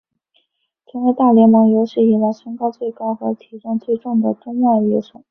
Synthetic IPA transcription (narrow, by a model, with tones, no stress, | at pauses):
t͡sʰɤ˧˥we˧˥ɪt̪a˥˩ljɛ˧˥nmɑ˧˥ŋjo˧˥ʊʂɻ̩˥˩i˥˩la˧˥ɪʂə˥ŋkɑ˥ʊt͡swe˥˩ɪkɑ˥ʊxɤ˧˥t̪ʰi˧˥ʈ͡ʂɑ˥˧ŋt͡swe˥˧ɪʈ͡ʂʊ˥˩ŋd̪ə˩t̪ʊ˥ŋmjɑ˥˩ʊyɛ˥ʂʊ˥˩˦